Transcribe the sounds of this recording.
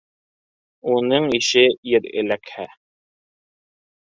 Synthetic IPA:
unɤɴiʃɘjɘɾɘ̰̆lækhæ

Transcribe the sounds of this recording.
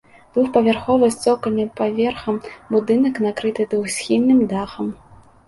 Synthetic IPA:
d̪vuxpɐvʲarxɔvɨsʲt͡sʲɔkɐlʲnɨpavʲɛrxɐmbud̪ɨnɐknakɾɨt̪ɨd̪vuxsʲxʲinːɨmd̪axɐm

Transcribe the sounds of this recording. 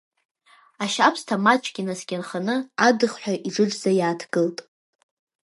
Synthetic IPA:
aʃapʰstʰamat͡ʃʷʼɡʲinasɡʲanχanɨadɨχħʷᶣaʔiʈ͡ʂɨʈ͡ʂzajaːtʰɡɨltʼ

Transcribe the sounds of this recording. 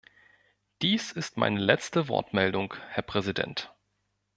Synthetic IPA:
d̥iːsɪstma̰ɪnəlɛt͡stəvɔ̰ɐtmɛldʊŋkhɛɐpʁ̥ɛzidɛ̰nt

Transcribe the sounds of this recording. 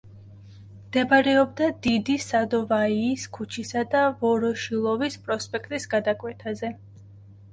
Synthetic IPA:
md̪̥ɛbaɾɛɔb̚d̪ad̪id̪isad̪ɔvaiːskʰut͡ʃʰisad̪avɔɾɔʃilˠɔvispʼɾɔspʼɛkʰt̪ʼisɡad̪akʼwɛt̪ʰazɛ

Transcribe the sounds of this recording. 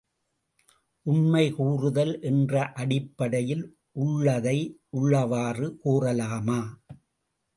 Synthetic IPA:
ʔʊnmɐɪkuːrɯðɐlʔɛndrɐʔɐɽɪpːɐɽɐjɪl | ʔʊɭːɐðɐɪʔʊɭːɐʋaːrɯkuːrɐlaːmaː

